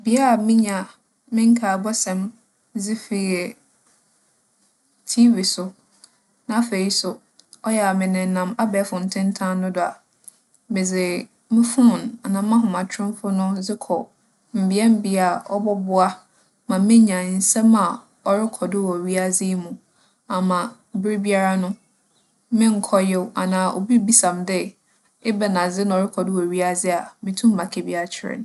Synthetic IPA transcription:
bi˦a˦˨mɪ̃˦ɲã˨ | mɪ̃˦ŋ˦kʰa˨bɔ˦sɛ̃˨m | zɪ˦fi˨ɛ˨ | tʰi˦vi˨sʊ˨ | nã˦a˦fe˨ɾi˦sʊ˨ | ɔ˦jɛ˨a˨mɪ̃˨nɪ̃˨˦nã˨ma˦bɛː˨˦fʊ˨n̩˨tʰɪ̃˦n˦tʰã˦nʊ̃˦dʊ˨a̰˨ | mɪ˨d͡zɪ˨ | mɪ̃˦fʊ˦ʊ̃˨na˨nã˨mã˦ɦʊ̃˨mã˨t͡ɕʰᶣɾɪ̃˦m˦fʊ˦nʊ̃˦d͡zɪ˦kʰɔ˨ | m̩˨bɪ˨˦ɛ˦m̩˦bi˦a˨ɔ˦bɔ˦bʊ˦a˦ | mã˨mɪ̃˦ɲã˨n̩˨sɛ̃˦ma˨ | ɔ˨ɾɪ˦kʰɔ˨dʊ˦wɔ˨ɥi˦a˦d͡zɪ˦mũ˨ | a˨mã˨ | bɪ˦ɾɪ˦bi˦a˦ɾa˦nʊ̃˦ | mɪ̃˦ŋ̩˨˦kʰɔ˦jɛ˦wa˨nãː˨ʔo̰˨bi˦bi˦sã˨mdɪ˦ | ɪ˦bɛ˨nã˨d͡zɪ˦nã˨ɔ˨ɾɪ˦kʰɔ˨dɪ˦wɔ˨ɥi˦a˦d͡zɪ˦a˨mɪ̃˨tʰũ˦m̩ː˦a˨kʰɛ˨bi˦a˦t͡ɕʰɪ˦ɾɪ̰˨n

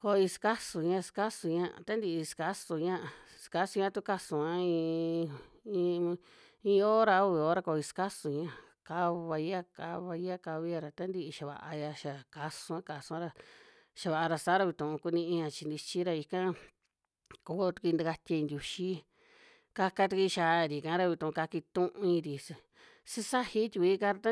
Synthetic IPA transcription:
ko˧i˧ska˦su˨ɲã˧ska˦su˧ɲã˧ʔt̪a˦nd̪i˧i˧ska˦su˧ɲã˦˧ʔska˧˦su˧ɲã˦˧t̪u˦ka˦sũ˨a˦ĩ˧ | ĩ˧ | ĩ˧o˦ɾa˧˦u˦˧βi˧˨o˦ɾa˧ko˧i˧ska˦su˧ɲã˧˨ | ka˦βa˧ja˦ka˧βa˧ja˦ka˧βi˦a˧ɾa˨t̪a˦nd̪i˦˧ʔʃa˨βa̰˨ʔa˧ja˧ʃa˨ka˧sũ˧ã˦ka˧sũ˧ã˦ɾa˧ | ʃa˧βa˨ʔa˧ɾa˧saː˦ɾa˧βi˧t̪ũ˨ũ˧ku˧nĩ˧ĩ˧ã˧t͡ʃi˧nd̪i˧t͡ʃi˦ɾa˧i˧kã˦ | ko˨˦˧t̪kʷi˧nd̪a˧ka˧t̪ʲa˧ĩ˧nd̪ʲu˧ʃi˦ | ka˧ka˧t̪u˧ki˧ʃa˨˦˨ɾi˨kã˨˦ɾa˧βi˧t̪ũ˨˧ka˧ki˧t̪ũ˦ʔũ˧ĩ˧ɾi˨s | si˦˧sa˦hi˦t̪ʲi˧i˧i˦˧kã˧˦ɾa˧t̪a˦

